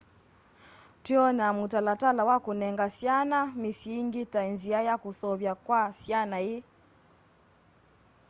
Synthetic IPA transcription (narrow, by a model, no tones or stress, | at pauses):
twiɔnamutalatalawakunɛŋɡasjanamisiŋɡitainziajakusɔβjakwasjanai